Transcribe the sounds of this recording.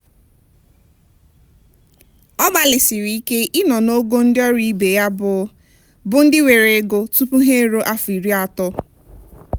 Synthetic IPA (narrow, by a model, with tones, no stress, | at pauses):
ɔ˦ɡ͡ba˨lɪ˨sɪ˨ɾi˨i˦ke˦ʔɪ˦nɔ˨no˦ɡo˦n̩˦dɪ˦ɔ˦ɾi˦be˨ja˦bʊ˨˦ | bʊ˨n̩˦dɪ˦we˨ɾe˨˦ɡo˦tu˦pu˦ɦe˦ɾo˦ʔa˦fi˨ɾi˦a˨tɔ˦